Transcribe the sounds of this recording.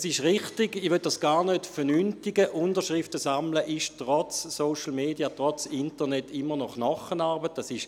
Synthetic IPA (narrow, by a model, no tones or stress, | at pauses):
sɪʃʁɪχtɪɡiʋøt̚d̥asɡ̥aːʁnøtfɛnynftiɡəʔʊndəʁʃʁɪftəsamləʔɪʃtʁɔt͡sːoʊʃl̩meːdiatʁɔt͡sɪntənɛtʰːɪmːənɔχnɔχənaʁbət̚dɑsɪʃ